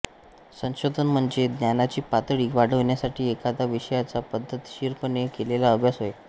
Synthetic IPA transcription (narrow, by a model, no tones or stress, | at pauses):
sə̃w̃ɕod̪ʱənm̤əɳd͡zed̪njanat͡ɕiːpat̪ɭiːʋaɽ̤əʋɳjasaʈiːekad̪aʋiɕəjat͡sapəd̪ʱːət̪ɕiɾpəɳekelelaəbʱjasɦoje